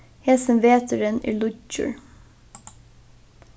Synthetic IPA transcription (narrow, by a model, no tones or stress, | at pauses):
heːsəmʋeːt̪ʰəɾənḭːɭʊt͡ʃʉ̰ɹ